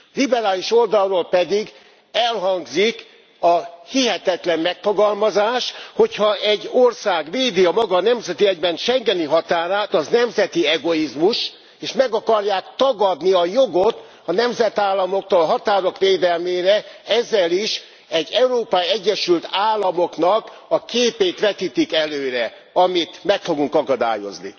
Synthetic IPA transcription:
libɛɾaːliʃo̞ld̪ɒrːoːlpɛd̪iɡ | ɛlɦɒŋɡzik | ɒhiɦɛt̪ɛt̪lɛmmɛkfo̞ɡɒlmɒzaːʃho̞chɒɛɟːorsaːɡʋeːd̪iɒmɒɡɒnɛmzɛt̪iɛɟbɛnʃɛŋɡɛniɦɒt̪aːɾaːt̪ɒznɛmzɛt̪iɛɡo̞izmuʃ | eːʃmɛɡɒkɒrjaːkt̪ɒɡɒd̪niɒjo̞ɡo̞t̪ | ɒnɛmzɛt̪aːlːɒmo̞k̚t̪olɦɒt̪aːɾo̞kʋeːd̪ɛlmeːɾɛɛzːɛliʃ | ɛɟːɛuɾoːpɒiɛɟːɛʃylt̪aːlːɒmo̞knɒkɒkeːpeːt̪ʋɛt̪it̪ikɛløːɾɛ | ɒmit̪mɛkfo̞ɡuŋkɒkɒd̪a̰ːjo̞̰znḭ

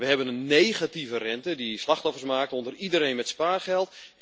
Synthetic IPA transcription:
ʋəɦɛbənənːejɣativərɛntədislaxtɔfərsmaːk̚tɔndəridəɾejnmɛtspaːrχɛlˠt

